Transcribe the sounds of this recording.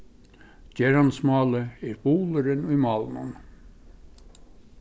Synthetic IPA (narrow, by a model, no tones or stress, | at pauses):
cɛɾɑnsmɑːləeɾbuːləɾənimɑlnṵn